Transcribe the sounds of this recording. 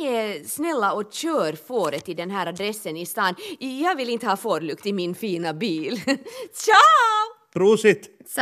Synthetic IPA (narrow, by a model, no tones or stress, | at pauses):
ɛsnɛlːaɔɕøːɾfoːɾət̪ʰːɪld̪ɛnɦæːɾad̪ɾɛsːənɪst̪ɑːnjɑːɡʋɪlːɪnt̪əhɑːfoːɾlʉkt̪ɪmɪnfiːnabiːlt͡ʃa | ɾuːsɪt̪